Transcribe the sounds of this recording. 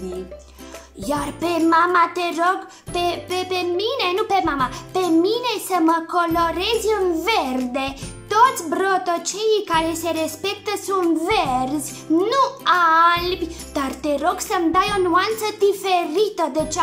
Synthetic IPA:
jarpemamat̪eɾoɡ | pepepeminenupemamapeminesəməkoloɾezɨnvɛrd̪et̪ot̪sʲbɾot̪ot͡ʃejikaɾeseɾespek̚t̪əsunvɛɾz | nualb | d̪̥art̪eɾoɡsəmd̪ajonuant̪səd̪ifeɾit̪əd̪ət͡ʃ

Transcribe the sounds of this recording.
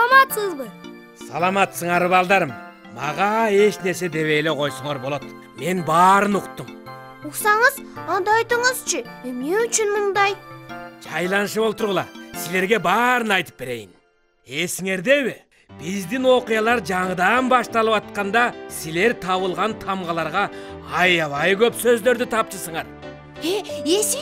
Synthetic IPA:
mɑt̪səzbə | sɑ̰lˠɑmɑt̪səɴɑɾβɑlˠd̪ɑɾɯmː | ɑ̰ʁɑe̞ʃne̞ɾse̞d̪e̞βe̞jleqʰo̞jsuɴɑɾbo̞lˠot̪ | me̞nbɑːɾɯnuqt̪ːum | uqsɑɴəzɑnd̪ɑɑjt̪ɯɴəz̥t͡ʃʰɪemneyt͡ʃynmʊnd̪ɑjd͡ʒɑjlˠɑnʃɯβolˠpt̪ʊɾʁəlˠɑsɪle̞ɾɡʲe̞bɑːɾənɑjt̪ə̥p̚bɪɾe̞̰jɪn | e̞sɪŋe̞ɾd̪e̞βɪ | b̥ɪzd̪ɪnwo̞qijɑlˠɑɾd͡ʒɑɴəd̪ɑnbɑʃt̪ɑlˠəpɑt̪̚qɑnd̪ɑsɪle̞ɾt̪ʰɑβəlˠʁɑnt̪ʰɑmʁɑlˠɑɾʁɑɑjɑβɑjkʲʰøpsøzle̞ɾd̪ɪt̪ʰɑpt͡ʃəsəɴɑɾ | ees

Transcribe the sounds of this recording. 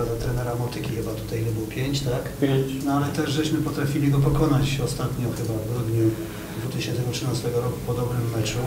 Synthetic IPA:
azat̪ɾɛnɛɾamɔt̪ɘkʲixɘbat̪ut̪ajlɛbuwpʲjeɲt͡ɕt̪aknɔalɛt̪ɛʐʐɛɕmɘpɔt̪ɾafʲilʲiɡɔp̬ɔkɔnat͡ɕɔst̪at̪ɲɔxɘbavɡɾud̪ɲu | d̪vut̪ɪɕɛnt̪ɛmutʂɘnast̪ɛɡɔɾɔkupɔd̪ɔbɾɘmːɛt͡ʂu

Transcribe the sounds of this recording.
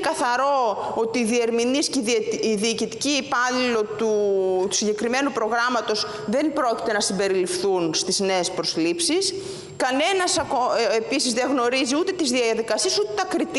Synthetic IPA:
kɐθɐɾo̞o̞t̪iːðie̞ɾminisceiðiːcit̪i̥ciːpɐlilo̞t̪ut̪u̥siɲɟe̞kɾime̞nupɾo̞ɣɾɐmɐt̪o̞s | ðe̞nbɾo̞ci̥t̪e̞nɐsimbe̞ɾilifθunst̪izne̞ːspɾo̞slipsis | kɐne̞nɐsɐkoepisizðeɣno̞ɾiziut̪e̞t̪izðiɐðikɐsiesut̪et̪ɐkɾit̪

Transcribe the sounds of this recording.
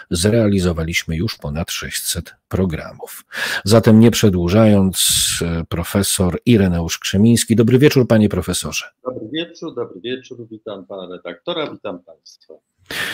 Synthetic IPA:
zɾɛalʲizɔvalʲiɕmɘjuʂpɔnat̪ʂɛɕt͡ɕsɛt̪pɾɔɡɾa̰mufzat̪ɛmɲɛpʂɛd̪wuʐajɔnt̪spɾɔfɛsɔɾiɾɛnɛuʂkʂɛmʲij̃skʲid̪ɔbɾɘvʲjɛt͡ʂuɾpaɲɛpɾɔfɛsɔʐ̥ɛd̪̥ɔbɾɘvʲjɛt͡ʂuɾd̪ɔbɾɘvʲjɛt͡ʂuɾvʲit̪ampanaɾɛd̪ak̚t̪ɔɾavʲit̪ampaj̃st̪t̪fa

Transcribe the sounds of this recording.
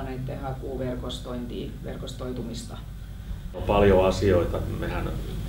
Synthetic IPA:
net̪t̪ːehækuːʋerkost̪oint̪iːʋḛrkost̪oit̪umist̪ɑ | opɑljoɑsioit̪ɑmehæn

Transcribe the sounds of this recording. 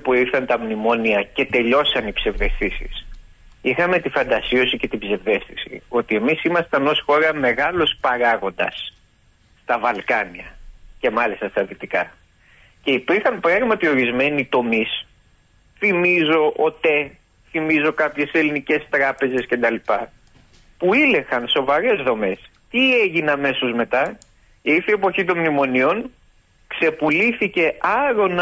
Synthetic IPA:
puiɾθɐnt̪ɐmnimo̞niɐce̞t̪e̞ʎo̞sɐnibsevve̞st̪isḭs | ixɐme̞t̪ifɐnd̪ɐsio̞sice̞t̪ibze̞ve̞st̪isḭo̞t̪ie̞misimɐst̪ɐnosxo̞ɾɐme̞ɣɐlospɐɾɐɣo̞nd̪ɐsː | t̪ɐvɐlkɐniɐce̞mɐlist̪ɐst̪ɐðit̪ikɐ | ce̞ipiɾxɐmpɾɐɣmɐt̪io̞ɾizme̞nit̪o̞mis | θimizo̞ʔot̪e | θimizo̞kɐpçe̞se̞linice̞st̪ɾɐpe̞ze̞scend̪ɐlipɐ | puile̞xɐnso̞vɐɾe̞zðo̞me̞s | t̪ie̞ʝineɐme̞sozme̞t̪ɐ | iɾθie̞po̞çit̪̬o̞nmnimo̞nio̞n | kse̞puliθice̞ɐɾo̞n

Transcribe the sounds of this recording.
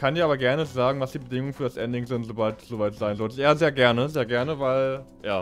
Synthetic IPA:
kʰandiːɐaːɐɡɛɐnəzaːɡŋ̩vasd̥iːbədɪŋʊŋənfyːɐdasʔɛndɪŋzɪntz̥obaltsz̥oːvaɪtz̥aɪnzɔltʔeːazeːɐɡɛɐnəzeːɐɡɛɐnəvaɪl | jaː

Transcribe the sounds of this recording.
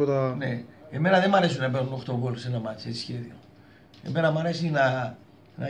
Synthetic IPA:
ot̪ɐneeme̞nɐðemɐɾe̞sunɐpe̞ɾnuno̞xt̪oɡolosenɐmɐt͡sei̥sçe̞ðio | e̞me̞nɐmɐɾe̞sinɐ | nɐ

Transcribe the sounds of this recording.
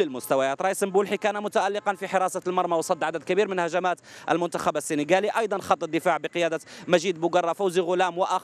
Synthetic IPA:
əlmʊst̪æwæjæːt̪ɾˤɑjisəmbulħikænmʊt̪aʔælːɪqɑnfiħɪɾˤɑsɑlmɑɾˤmɑwsˤɑd̪ːʕad̪æd̪̚kæbiɾmənhæʒæmæt̪ʔə̰lmʊnt̪axæbəsːiniɡæliʔɑjd̪ˤɑnxɑt̪ˤːəd̪ːəfaʕbəqəjæːd̪əmæʒid̪mʊɡɑrˤːɑfawziɣʊlæmwʔɑ

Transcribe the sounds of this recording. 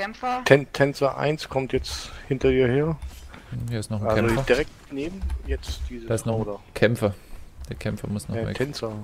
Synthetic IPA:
tʰɛntʰɛnt͡sɐʔa̰ɪnskʰɔmtjɛt͡shɪntɐdiːɐheːɐ | jaːɪstnɔχalɛzod̥iʁɛk̚tneːbm̩jɛt͡sd̥iːzəaɪsnɔoːdɐkʰɛmfɐd̥eːɐkʰɛmfɐmʊsnɔm̰tʰɛnt͡sɐ

